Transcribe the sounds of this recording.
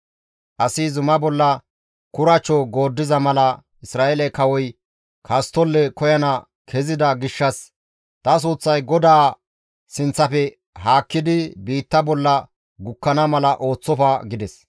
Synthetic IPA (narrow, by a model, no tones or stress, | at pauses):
ʔɐsɪzʊmɐbɔlːɐ | kʊɾɐt͡ʃːɔɡo̞ːd̪ːɪzɐmɐlɐ | ɪsɾaːelɛkɐwɔj | kʰɐst̪ɔlːɛkɔjɐnɐ | kʰɛzɪd̪ɐɡɪʃːɐs | t̪ɐs̬uːt͡sːɐjɡɔd̪aː | sɪnt͡sːɐpɛ | ɦaːkːɪd̪ɪbiːt̪ːɐbɔlːɐ | ɡʊkːɐnɐmɐlɐʔo̞ːt͡sːɔfɐɡɪd̪ɛs